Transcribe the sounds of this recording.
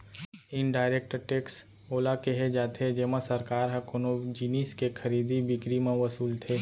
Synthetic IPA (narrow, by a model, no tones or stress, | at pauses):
ɪnɖaːɪɾeːk̚ʈəʈeːks | oːlakeɦed͡ʒaːt̪ʰed͡ʒeːmasəɾkaːɾɦɛ̃konod͡ʒiniːskekʰɐɾiːd̪ibɪkɾimẽʋəsuːlt̪ʰeː